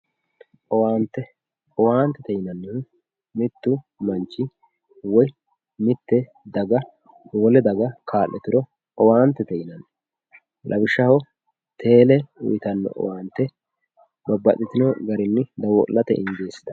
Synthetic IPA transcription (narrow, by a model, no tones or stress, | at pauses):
ʔɔwaːnt̪ːɛ | ɔwaːnt̪ːɛt̪ɛjɪnɐnːɪhʊ | mɪt̪ːʊ | mɐnt͡ʃːɪ | wɔj | mɪt̪ːɛ | d̪ɐɡɐ | wɔlɛd̪ɐɡɐkʰaːlːɛt̪ɪɾɔ | ɔwaːnt̪ːɛt̪ɛjɪnɐn | lʔɐbɪʃːɐhɔ | t̪ʰe̞ːlɛʊ̰jɪt̪ɐnːɔ̰ʔɔ̰waːnt̪ːɛ | bɐbːɐt̪ʼɪt̪ɪnɔɡɐɾɪnːɪd̪ɐwɔ̰lːɐt̪ɛ̰ʔɪnd͡ʒeːsːɪ̥d̪ɐ